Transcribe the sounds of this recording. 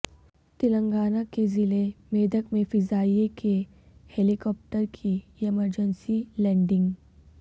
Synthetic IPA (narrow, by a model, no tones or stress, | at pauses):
t̪ɪlə̃ŋɡaːnakezɪlemeːd̪əkmẽfɪzaːiekʰe | helikɔːp̚ʈəɾkʰiɛməɾd͡ʒənsilɛ̃ːɳɖɪ̃ŋɡ